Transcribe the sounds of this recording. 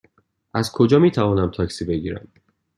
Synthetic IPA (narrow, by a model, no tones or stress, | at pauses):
ʔæzkʰo̞d͡ʒɒːmiːt̪ʰævɒːnæmt̪ʰɒːcsiːbe̞ɟiːɾæ̰m